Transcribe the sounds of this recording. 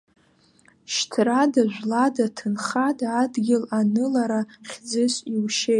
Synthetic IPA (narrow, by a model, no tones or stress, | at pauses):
ʃtʰradaʒᶣʷladatʰɨnχadaːdɡʲɪlanɨlaɾaχʲd͡zɨʃʷʼiwʃe